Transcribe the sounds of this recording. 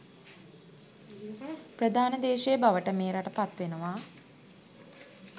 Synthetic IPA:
prəd̪ʱaːnəd̪eːʃejəbaʋəʈəmeːɾaʈəpat̪ʋenuʋa

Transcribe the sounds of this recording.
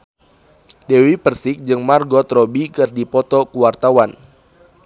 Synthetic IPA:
dɛwipərsɪk̚d͡ʒɨŋmarɡɔt̪ɾɔbikɨrdipɔt̪ɔkuwart̪awan

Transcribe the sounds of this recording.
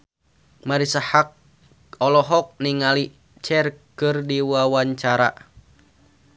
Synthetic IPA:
maɾisahak̚ | ɔlɔɦɔk̚niŋali | t͡ʃɛrkɨrdiwawaɲt͡ʃaɾa̰

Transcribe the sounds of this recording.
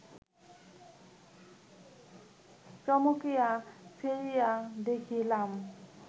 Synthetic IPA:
t͡ɕɔmokijasʰeɾijad̪ekʰilam

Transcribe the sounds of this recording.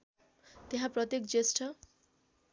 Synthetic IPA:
t̪eɦãprʌt̪jekd͡zesʈʰʌ

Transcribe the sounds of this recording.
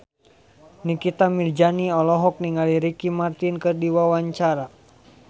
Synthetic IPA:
nikit̪amird͡ʒaniɔlɔɦɔk̚niŋaliɾikimart̪inkɨrdiwawaɲt͡ʃaɾa

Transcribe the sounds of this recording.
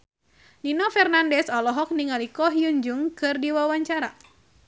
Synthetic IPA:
ninɔfɛrnandɛsɔlɔɦɔk̚niŋalikɔɦiuɲd͡ʒuŋkɨrdiwawaɲt͡ʃaɾa

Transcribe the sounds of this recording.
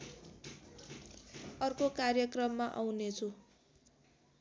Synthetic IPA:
ʌrkokarjʌkrʌmːaʔawnet͡sʰu

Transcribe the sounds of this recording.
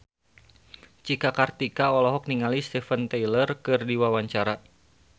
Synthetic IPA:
t͡ʃikakart̪ikaɔlɔɦɔk̚niŋalist̪ɛfənt̪ɛjlərkɨrdiwawaɲt͡ʃaɾa

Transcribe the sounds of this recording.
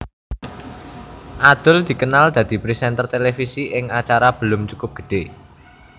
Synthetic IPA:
ʔad̪̥ʊ̤ld̪̥i̤kənald̪̥ä̤d̪̥i̤pɾisɛnt̪ərt̪elefisiʔɪŋat͡ʃaɾab̥ə̤lʊmt͡ʃu̥kʊp̚ɡ̥ə̤̥ɖ̥e̤

